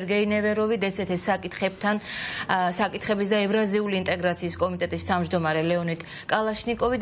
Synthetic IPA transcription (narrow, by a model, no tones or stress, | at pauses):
ɾɡɛinɛvɛɾɔvid̪ɛsɛt̪ʰɛsakʼit̪χɛb̚t̪ʰan | sakʼit̪χɛbisd̪aɛvɾaziuliːnt̪ʼɛɡɾat̪sʰiːskʼɔmit̪ʼɛt̪ʼist̪ʰavmd͡ʒd̪ɔmaɾɛlɛɔnik̪ʼ | kʼalˠaʃnikʼɔvid̪